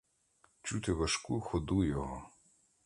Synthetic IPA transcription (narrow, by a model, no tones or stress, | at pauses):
t͡ʃut̪ɪʋɐʃkuxɔd̪ujɔɦɔ